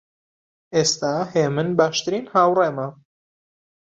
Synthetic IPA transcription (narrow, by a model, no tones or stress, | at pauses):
ʔeːst̪aːheːmɨnbaːʃt̪ɨɾiːnhaːwreːmɐ